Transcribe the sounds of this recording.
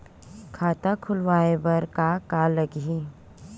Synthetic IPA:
kʰaːt̪akʰʊlʋaːebɐɾkakaləɡɦi

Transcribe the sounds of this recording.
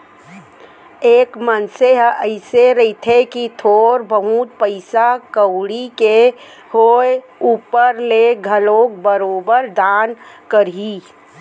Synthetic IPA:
eːkmənseɦʔəɪseɾəit̪ʰekit̪ʰoːɾbəɦut̪̚pəɪsakəwɽike | hoe | uːpəɾleɡʱəloːk̚bəɾoːbəɾd̪aːnkəɾɦi

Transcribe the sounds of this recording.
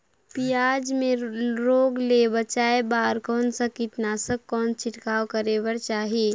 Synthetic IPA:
pijaːd͡ʒmẽɾoːɡlebət͡ʃaːebaːɾkɔːnsakɪt̪naːsəkːɔːnt͡ʃɪʈkaːwkəɾeːbəɾt͡ʃaːɦieː

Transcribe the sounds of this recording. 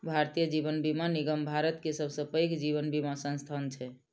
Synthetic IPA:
bʱaɾt̪ijəd͡ʒibənbimaniɡəmbʱaɾət̪kesəbʱsə̃pəjkd͡ʒiβənbimasə̃st̪ʰant͡ʃʰɛ

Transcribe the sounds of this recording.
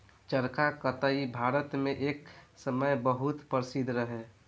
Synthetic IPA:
t͡ʃəɾkakət̪aibʱaːɾət̪mẽʔeːksəməjbəɦut̪pəɾsid̪ʱɾəɦe

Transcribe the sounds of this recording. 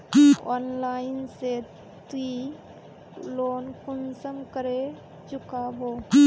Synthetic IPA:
ɔnlajnse | t̪i | lonkʰunsəmkəɾe | d͡ʒukabo

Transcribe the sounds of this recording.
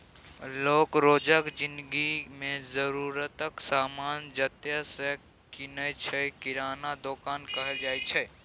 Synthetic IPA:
loːkɾoːd͡ʒəkd͡ʒɪ̃nd̪ɡimẽzəɾuɾət̪əksaːmaːnd͡ʒət̪jəsə | kɪnət͡ʃʰɛkɪɾaːnad̪okaːnkəɦɛld͡ʒaːjt͡ʃʰɛ

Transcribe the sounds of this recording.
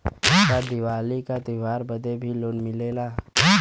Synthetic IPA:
tad̪ɪwaːlikat̪ɪʋaːɾbəd̪ebʱiloːnmɪleːlaː

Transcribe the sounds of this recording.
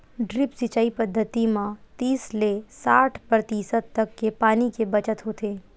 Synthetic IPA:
ɖɾɪpsɪt͡ʃaːipəd̪ʱːət̪imãt̪iːslesaːʈʰpɾɐt̪iːsət̪ːɐkːepaːnikebɐt͡ʃət̪ɦoːt̪eː

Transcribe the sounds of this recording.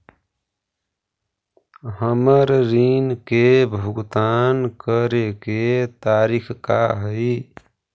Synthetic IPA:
həməɾɾinkebʱʊɡt̪aːnkəɾeket̪aːɾikʰkaɦəj

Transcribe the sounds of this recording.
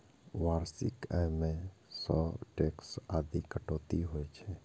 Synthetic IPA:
ʋaːɾsɪ̰kɛjmẽsɔ̰ʈeksaːd̪ikəʈoːt̪iɦojt͡ʃʰɛ

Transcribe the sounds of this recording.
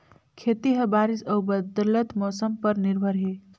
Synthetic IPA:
kʰet̪iɦəbaɾisəwbəd̪lət̪mɔsəmpəɾniɾbʱəɾɦe

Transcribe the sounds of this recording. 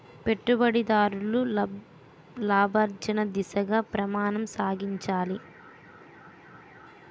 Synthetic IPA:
pe̞ʈːubɐɽid̪aːɾulu | laːbʱɐɾd͡ʒɐnɐd̪isɐɡaːpɾɐmaːnɐmsaːɡiɲt͡ʃaːli

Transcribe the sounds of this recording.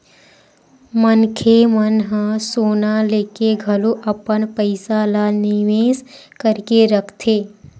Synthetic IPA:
mənkʰemənɦə̃soːnaleːkeɡʱɐloʔɐpənpəɪsalaːnɪʋeːs | kəɾkeɾəkʰt̪ʰeː

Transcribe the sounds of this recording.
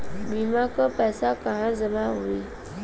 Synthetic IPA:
mimakəpasakahãzəmawi

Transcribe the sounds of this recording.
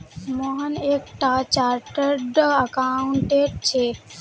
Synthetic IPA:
moɦəneːkʈat͡ɕaːɾʈəɾɖəkaːʊɳʈeːɖ̚t͡ɕʰeː

